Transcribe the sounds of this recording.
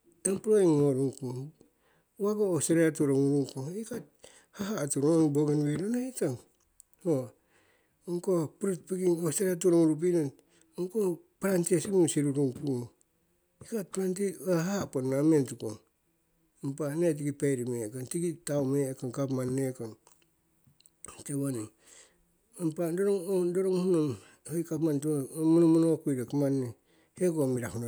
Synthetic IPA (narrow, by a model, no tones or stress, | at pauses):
empuɾoiŋːoɾuŋkuŋ | waɡaoseɾeatuɾoŋuɾuŋkuŋikat̚ | haɦatuɾoonboɡenβeɾonahitaŋ | ho | ŋkopuɾut̚piɡiŋoseɾeatuɾoŋuɾup̬inan | ŋko | paɾantiesimunsiɾuɾuŋpuŋ | ikat̚pɾantiaɦaponːamentukon | ampanet̬iɡipejɾimekantiɡitawmekaŋkapmanːekan | teβani | ampadoɾoŋodoɾoŋhunam | hajkapmantumunomunoakujɾakamanːe | hekomiɾahuna